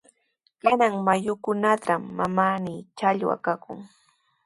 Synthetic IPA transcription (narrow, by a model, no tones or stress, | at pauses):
kanaŋmajʊkʊnat̪amːamanit͡ʃaʎwa̰kakʊ̰ŋ